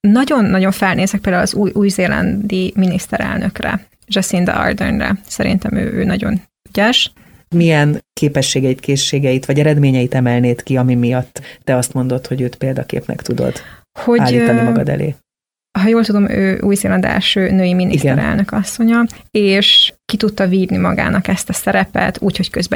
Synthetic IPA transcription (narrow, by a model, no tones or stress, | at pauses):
nɒɟo̞nːɒɟo̞ɱfɛlneːzɛk̚peːld̪aulɒzuːjʔuːjzeːlɛ̰nd̪iminist̪ɛɾɛ̰lnøkrɛ̰ | ʒɛsind̪ɛ̰ɒ̰rd̪ɛ̰rnrɛ̰sɛɾḭnt̪ɛmø̰ːʔø̰ːnɒɟo̞̰n | yɟɛʃ | mijɛnkeːpɛʃːeːɡɛjit̪keːʃːeːɡɛjit̪ʋɒɟɛɾɛd̪meːɲɛjit̪ɛmɛlneːt̪kiɒmimijɒt̪ːɛɒst̪mo̞nd̪o̞t̪ho̞ɟøːt̪peːld̪ɒkḛːpnɛ̰kt̪ud̪o̞̰d̪̥ | ho̞aːlliːt̪ːɔmɒɡɒd̪ɛ̰lḛː | ɦɒjoːlt̪ud̪o̞mø̰ːʔuːjzeːlɒnd̪ɛ̰lʃøːnøːjiminisɡ̪ɛɾɛ̰lnø̞kɒsːo̞ɲɒeːʃkit̪ut̪ːɒviːd̪nimɒ̰ɡa̰ːnɒkɛst̪ɒsɛɾɛpɛ̰t̪uːcho̞ckøzbɛ